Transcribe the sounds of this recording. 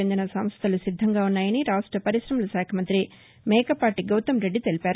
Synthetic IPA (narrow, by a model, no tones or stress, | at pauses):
end̪inɐsɐmst̪ʰɐlusid̪ʱːɐŋɡaːunːaːjɐniɾaːʂʈɾɐpɐɾiʃɾɐmɐluʃaːkʰɐmɐnt̪ɾi | mɛːkɐpaːʈiɡɐwt̪ɐmɾeɖːit̪e̞lipaːɾu